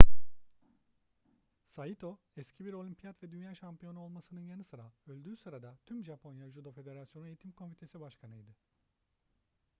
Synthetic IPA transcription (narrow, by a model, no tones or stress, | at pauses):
sajit̪ʰo̞ | ɛscʰibiɾolʲimpʰijat̪vɛd̪ynjaːʃampijo̞nuo̞lˠmasɯnɯnjanɯsɯɾaølʲd̪yːsɯɾad̪at̪ʰymʒapʰo̞njaʒud̪ofe̞d̪e̞ɾasjonuejit̪ʰimkʰo̞mfit̪ʰe̞sibaʃkʰanɯjd̪ɪ